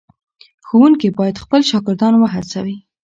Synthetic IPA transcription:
xowuŋkibɑjad̪xpəlʃɑɡɪɾd̪ɑnwəɦat͡sa̰wi

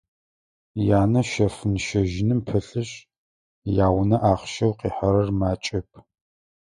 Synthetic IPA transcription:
jaːnɐʃɐfɨnʃɐʒɪnɨmpʰɐɬɨɕ | jaːwnɐʔaːχʃɐwqiːħɐɾɐrmaːt͡ʃʼɐp̚ʰ

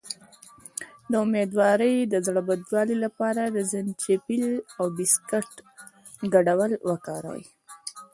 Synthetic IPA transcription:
d̪əʊmed̪wɑɾəjd̪əzɽabad̪wɑlilapɑɾad̪əzɪnt͡ʃepilawbɪskaʈ | ɡaɖawəlwəkɑɾa̰w̰j

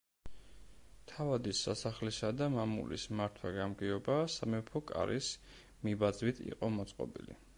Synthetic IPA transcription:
t̪ʰavad̪isːasaχlisad̪amamṵlismaɾt̪ʰwaɡamɡiɔbasamɛpʰɔkʼa̰ɾʔis | mibad̪zwit̪ʰḭqʼɔmɔt̪sʼqʼɔ̰bḭlḭ

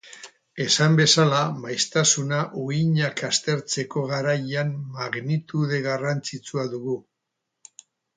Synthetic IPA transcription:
e̞sambe̞salamajst̪asunaʔuiɲakast̪e̞ɾt͡se̞ko̞ɣaɾajammaɣnit̪uð̞e̞ɣarant͡sit͡suaðuɣu

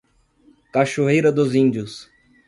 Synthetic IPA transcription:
kaʃoɦejɾɐd̪ʊzĩnd͡ʒiʊs

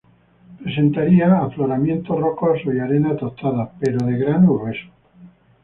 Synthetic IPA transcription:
pɾe̞se̞nt̪aɾiaːfloɾamje̞nt̪orokosoiaɾe̞nat̪ot̪aðape̞ɾoðe̞ɣɾanuβes

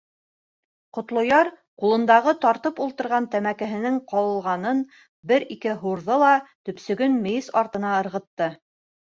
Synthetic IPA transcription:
qŏt̪lˠŏjɑɾ | qulˠɤ̆nd̪ɑʁɤt̪ɑɾt̪ɤpulˠt̪ɤ̆ɾʁɑnt̪æmækæ̆ɦɘ̆nɘŋqɑwɤ̆lˠʁɑnɤn | bɘɾikɘɦuɾðɤlˠɑt̪ɵ̆psɵ̆ɡɵnmɘ̆jɘsɑɾt̪ɤ̆nɑɤ̆ɾʁɤ̆t̪ːɤ

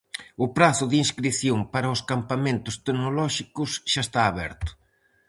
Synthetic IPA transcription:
ʊpɾaθʊðinskɾiθjoŋpaɾɐʊskampamẽnt̪ʊst̪eknolɔʃikʊsʃast̪aːβɛ̰ɾt̪ʊ̥

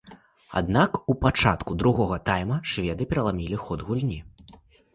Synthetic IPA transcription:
a̰d̪nakupat͡ʂa̰t̪kud̪ɾuɣɔɣɐt̪ajmɐʂvʲɛd̪ɨpʲɛɾɐlˠamʲilʲixɔd̪ɣulʲnʲi

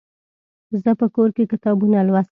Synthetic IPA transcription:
zəpəkoɾkekɪt̪ɑbunalwas

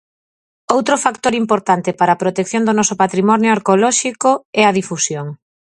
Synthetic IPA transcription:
owt̪ɾofakt̪oɾimpoɾt̪ant̪epaɾɐːpɾot̪ekθjoŋd̪onɔsʊpat̪ɾimɔnjoaɾkolɔʃikoɛɐðifusjoŋ

